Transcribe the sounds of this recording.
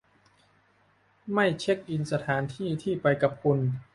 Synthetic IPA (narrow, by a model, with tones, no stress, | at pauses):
ma˥˩jt͡ɕʰe˦˥k̚ʔi˧nsa˧t̪ʰaː˩˦nt̪ʰiː˥˩t̪ʰiː˥˩pa˧jka˨˩p̚kʰu˧n